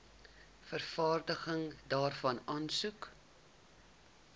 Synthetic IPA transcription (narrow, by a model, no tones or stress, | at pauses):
fərfɑːrdəχəŋdɑːrfɐnɑːnsuk